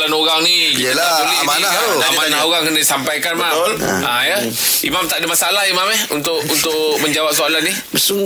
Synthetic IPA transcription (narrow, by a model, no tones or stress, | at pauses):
lanoɣaŋniəlaaəlimnaanamanaoɣaŋkənadisampajkanmamãjə | imamt̪aʔdəmasalaɦimamɛhunt̪ʊʔunt̪ʊʔməɲd͡ʒawap̚soalanːi | bəsu